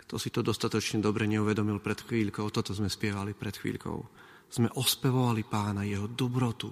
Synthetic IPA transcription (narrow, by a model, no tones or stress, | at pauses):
kt̪ʰɔsit̪ɔd̪ɔst̪at̪ɔt͡ʃɲɛd̪ɔbɾɛɲɛuʋɛd̪ɔmilpɾɛt̪xʋiːʎkɔʊt̪ɔt̪ɔzmɛspɪɛʋalipɾɛt̪xʋḭːʎkɔ̰ʊ | z̥mɛʔɔspɛʋɔʋalipaːnajɛɦɔd̪ɔbɾɔt̪ṵ